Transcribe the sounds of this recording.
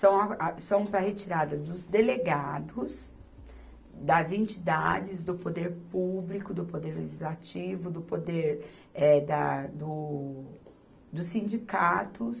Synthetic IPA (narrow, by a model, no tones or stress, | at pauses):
sɐ̃w̃ɐasɐ̃w̃pɾɐhet͡ʃiɾad̪ɐd̪ʊzd̪eleɡad̪ʊs | d̪ɐzẽnt͡ʃid̪a̰d͡ʒɪzd̪ʊpod̪eɾpublikʊd̪ʊpod̪eɾlḛʒizlat͡ʃivʊd̪ʊpod̪eɾ | ɛd̪ɐd̪ʊ | d̪ʊsːĩnd͡ʒikat̪ʊs